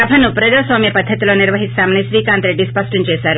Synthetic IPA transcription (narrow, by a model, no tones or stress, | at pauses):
ɐbʱɐnupɾɐd͡ʒaːsʋaːmjɐpɐd̪ʱːɐt̪iloːniɾʋɐɦisaːmɐniʃɾiːkaːnt̪ɾeɖːispɐsʈʰɐmt͡ʃeːsaːɾu